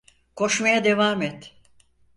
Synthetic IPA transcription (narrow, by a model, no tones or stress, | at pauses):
kʰo̞ʃmajad̪e̞vaːmɛt̪